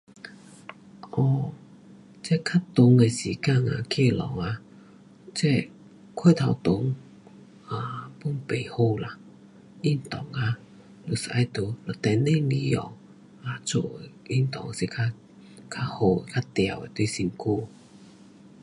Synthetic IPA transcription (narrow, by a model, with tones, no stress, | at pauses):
ʔɔ˧˩˨ | t͡se˦˥kʰa˥t̪ʊ˨˦ŋe˨si˨˩ka˥˧˨ŋa˨kʰe˥˧˨lɔ̰˨˩˦ŋa˧ | t͡sɛ˧˥˨ | kʰe˥˨t̪ʰa˨˧wt̪ʊ˨˧˦ŋ | a˨pu˧˦ŋpe˨˩jho˥˧˨la˨ | i˥˨nt̪ɔ˨˩ŋa˧ | lu˨˩sa˧jt̪u˨˧˦lɔ˨˩t̪ɛ˧˨ne˥˧˨li˧˦ɔ̰˨˩ | a˨t͡sʰo̰˧˨i˥˨nt̪ɔ̰˨ŋ˨si˨˧˩kʰa˧ | kʰa˦˧ho˧˩˨kʰa˦˥t̪ja̰˨˩we˨t̪wi˥˧˨si˧ŋkʰu˧˨